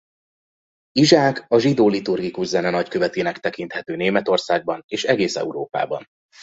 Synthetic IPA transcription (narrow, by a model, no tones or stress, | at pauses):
iʒaːkɒʒid̪oːlit̪urɡikuʒzɛnɛnɒckøvɛt̪eːnɛkt̪ɛkint̪hɛt̪øːneːmɛt̪o̞rsaːɡ̚bɒneːʃɛɡeːsɛ̰uɾoːpa̰ːbɒ̰n